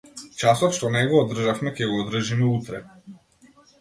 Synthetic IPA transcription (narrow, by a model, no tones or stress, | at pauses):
t͡ʃasɔt̪ʃt̪ɔnɛɡɔːd̪r̩ʒafmɛkʲɛɡɔːd̪r̩ʒimɛut̪ɾɛ̰